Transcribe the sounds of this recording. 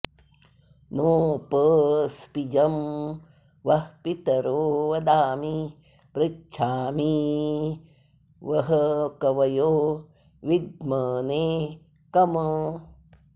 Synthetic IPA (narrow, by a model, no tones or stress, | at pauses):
noːpəspid͡ʒɐm | ʋɐhpit̪ɐɾoːʋɐd̪aːmi | pɾɪt͡ʃʰaːmi | ʋɐɦɐkɐʋɐjoː | ʋid̪mɐːneː | kɐmə